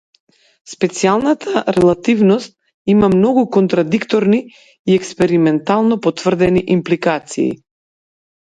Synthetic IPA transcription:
spɛt̪sialˠnat̪ʰaɾɛlˠat̪ivnɔst̪̚ | imamnɔɡukɔnt̪ɾad̪ikt̪ɔɾniː | ɛkspɛɾimɛnt̪alˠnɔpɔt̪vr̩d̪ɛniʔimplikat̪sḭː

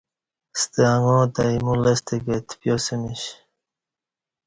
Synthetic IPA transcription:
st̪eaŋoːt̪aimulest̪iket̪ʰpjosemiɕ

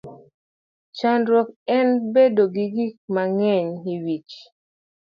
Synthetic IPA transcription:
t͡ʃandɾɔk̚ɛnbedoɡiɡik̚maŋɛɲiwit͡ʃ

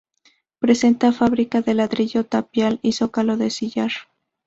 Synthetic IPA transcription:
pɾe̞se̞nt̪afaβɾikaðe̞laðɾiʝo̞t̪apjaliso̞kaloðe̞siʝaɾ

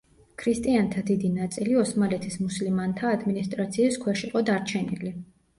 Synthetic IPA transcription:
kʰɾist̪ʼiant̪ʰad̪id̪inat̪sʼiliɔsmalɛt̪ʰismuslimant̪ʰaːd̪minist̪ʼɾat̪sʰiːskʰwɛʃiqʼɔd̪aɾt͡ʃʰɛnḭli

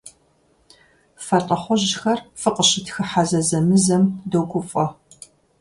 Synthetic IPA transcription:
fɐtʼɐχʷɔʑxɐrfɨqʼəɕɪtʰxɨħazɐzɐmɨzɐmdowɡʷʼʊfʼɔ

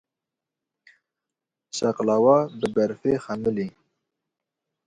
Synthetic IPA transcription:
ʃɛqlɑːwɑːbɨbɛɾfeːxɛmɨli

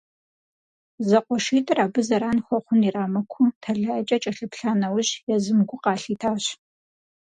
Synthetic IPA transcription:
zɐqʷɔʃiːtʼɨraːbɨzɐɾaːnxʷɔχʷʊniraːmɐkʷʰʊtʰɐɮaɐt͡ʃʼɐt͡ʃʼɐɬɨpɬaːnɐwʑjɛzɨmɡʷʊqɑːɬiːtʰaːɕ

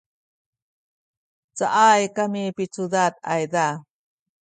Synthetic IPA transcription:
t͡sa̰ʔajkamipit͡sudat̪a̰jda

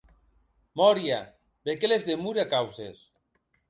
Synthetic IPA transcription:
mɔɾja | bekelezðemuɾeakawses

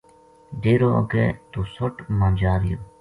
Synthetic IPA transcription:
ɖeːɾoːə̰ɡḛːt̪oːsoʈmãːd͡ʒaːɾɪjoː

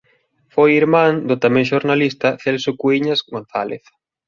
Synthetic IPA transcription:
fojiɾmãŋd̪ʊt̪amɛ̃ŋʃoɾnalist̪ɐθɛlsʊkuiɲazɡon̟θalḛθ

